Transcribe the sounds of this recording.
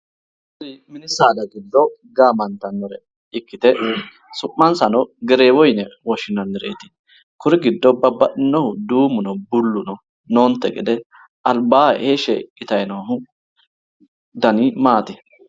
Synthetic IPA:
dɪmɪnɪsaːd̪ɐɡɪd̪ːɔɡaːmɐnt̪ːɐnːɔɾɛ | ɪkːɪt̪ɛ | sʊʔːɐnsɐnɔɡɛɾeːwɔjnɛwɔʃɪnɐndɛɾḛːt̪ɪ̥ | kʊɾɪɡɪd̪ːɔbɐbɐʔɪnːɔhʊd̪uːmʊnɔbʊlːʊnɔ | noːnt̪ːɛɡɪd̪ɛ | ʔɐlbaːʔeːʃɛkʼɪt̪ɐjnoːɦʊ | d̪ɐnɪmaːt̪ɪ

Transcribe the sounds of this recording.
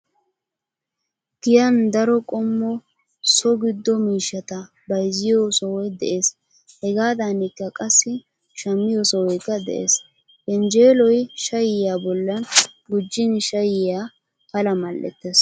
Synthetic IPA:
ɡ̥ɪjɐnd̪ɐɾɔkʼɔmːɔ | sɔɡɪd̪ːɔmiːʃːɐt̪ɐ | bɐjzɪjosɐwɔjd̪ɛʔe̞ːs | hɛɡaːd̪anɪkːɐkʼɐsːɪ | ʃɐmːɪjosɐwɔjkːɐd̪ɛ̰ʔḛːs | kɛnd͡ʒe̞ːlɔjʃɐjɪjaːbɔlːɐnɡʊd͡ʒːɪnʃɐjɪjaː | pɐlɐmɐlːɛ̰t̪ːeːs

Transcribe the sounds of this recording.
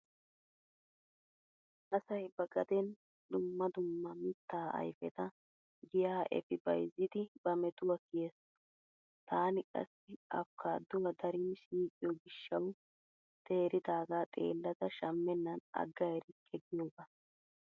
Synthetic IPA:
ʔɐsɐjbɐɡɐd̪ɛn | d̪ʊmːɐd̪ʊmːɐmɪt̪ːaːɐ̰jfɛt̪ɐ | ɡɪjaːʔɛ̰fɪbɐ̰jzːɪd̪ɪb̥ɐmɛt̪ʊwɐkɪjes | t̪aːnɪkʼɐ̰sːɪɐ̰fkʰːaːd̪ʊwɐd̪ɐɾɪnsiːkʼɪjɔɡɪʃːɐw | t̪ʰeːɾɪd̪aːɡaːt̪ʼḛːlːɐd̪ɐʃɐmːɛnːɐnɐ̰ɡːɐjɾɪkʰʼɛɡɪjoːbɐ

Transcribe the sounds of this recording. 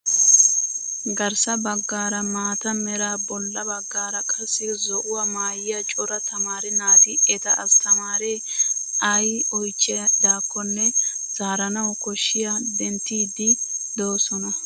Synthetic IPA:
ɡɐɾsɐbɐɡːaːɾɐmaːt̪ɐmɛɾaːbɔlːɐbɐɡːaːɾɐkʼɐsːɪzɔʔʊwɐmaːjɪjɐt͡ʃʼɔɾɐt̪ɐmaːɾɛnaːt̪ɪɛt̪ɐʔɐst̪ɐmaːɾeː | ʔɐjɔjt͡ʃʼːɛd̪aːkːɔnːɛ | z̥aːɾɐnɐwkɔʃːɪjad̪ɛnt̪ːiːd̪ɪd̪o̞ːsɔnɐ

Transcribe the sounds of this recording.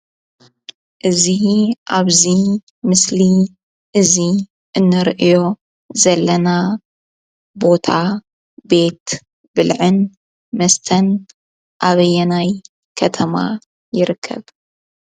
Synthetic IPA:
ʔɨziʔaβzi | mɨsli | ʔɨzi | ʔɨnːɨɾʔɨjo̞ | zɐlːɐna | bo̞t̪ʰa | be̞t̪ | bɨlʕɨn | mɐst̪ʰɐn | ʔaβɐjɛnaj | kʰɐt̪ʰɐma̰ | jɪɾɨkʰːɐ̰β

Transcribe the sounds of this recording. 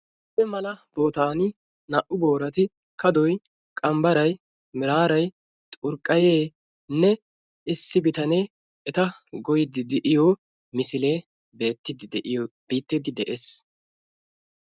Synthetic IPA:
ɪpːɛmɐlɐb̥o̞ːt̪aːnɪ | nɐʔʊboːɾɐt̪ɪ | kɐd̪ɔj | kʼɐmbɐɾɐj | mɪɾaːɾɐj | t̪ʼʊɾkʼːɐjeː | nɛ | ʔɪsːɪbɪt̪ɐneː | ʔɛt̪ɐɡɔjɪd̪ɪd̪ɛʔɪjo | mɪsɪle̞ː | beːt̪ːɪd̪ɪʔb̥iːt̪ːɪd̪ɪd̪ɛʔeːs

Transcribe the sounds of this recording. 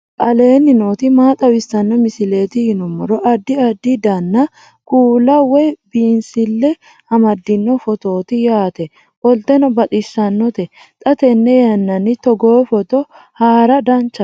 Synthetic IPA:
ʔʼɐle̞ːnːɪnoːt̪ɪmaːt̪ʼɐwɪsːɐnːɔmɪsɪle̞ːt̪ɪhɪnɔmːɔɾɔʔɐd̪ːɪɐd̪ːɪd̪ɐnːɐ | kuːlɐwɛbiːnsɪlːɛ | hɐmɐd̪ːɪnːɔfɔt̪o̞ːt̪ɪjaːt̪ɛ | ʔɔlt̪ɛnɔbɐt̪ʼɪsːɐnːɔt̪ɛ | t̪ʼɐt̪ɛnːɛjɐnːɐnɪt̪ɔɡoːfɔt̪ɔ | haːɾɐd̪ɐnt͡ʃːɐ

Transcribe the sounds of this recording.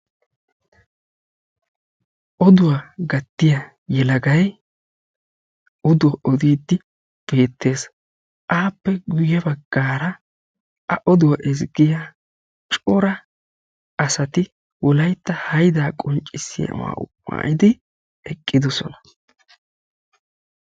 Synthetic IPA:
ʔɔd̪ʊwaɡɐt̪ːɪjɐ | jɛlɐɡɐj | ɔd̪ʊwɐʔɔd̪iːd̪ːɪ | b̥e̞ːt̪ːe̞ːs | ʔaːpːɛɡʊjɛbɐɡːaːɾɐ | ʔɐʔɔd̪ʊwaʔɛzɡɪja | t͡ʃʼɔɾɐ | ɐsɐt̪ɪ | wɔlɐjt̪ːɐhɐjd̪aːkʼɔnt͡ʃʼːɪsɪjɐ̰wa̰ːʔʊ̰pːa̰ːʔɪd̪ɪ | ɛkʼːɪd̪ɔsɔ̰nɐ̥

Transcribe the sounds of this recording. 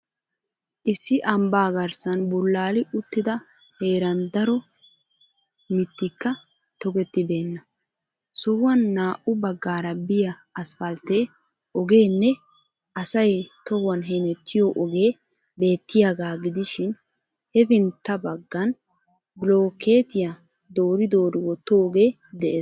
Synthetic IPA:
ʔɪsːɪʔɐmbaːɡɐɾsɐnbʊlːaːlɪʔʊt̪ːɪd̪ɐ | he̞ːɾɐnd̪ɐɾɔ | mɪt̪ːɪkːɐ | t̪ɔɡɛt̪ːɪbe̞ːnːɐ | sʊwːɐnːaːʔʊbɐɡːaːɾɐbɪjɐːsfɐlt̪e̞ː | ʔɔɡe̞ːnːɛ | ɐsɐjt̪ɔwɐnɦɛmɛt̪ʰːɪjɔʔɔɡe̞ː | be̞ːt̪ːɪjaɡaːɡɪd̪ɪʃɪn | hɛfɪnt̪ːɐbɐɡːɐn | blo̞ːke̞ːt̪ɪja | d̪o̞ːɾɪd̪o̞ːɾɪwɔt̪ːoːɡe̞ː | d̪ɛʔeːs

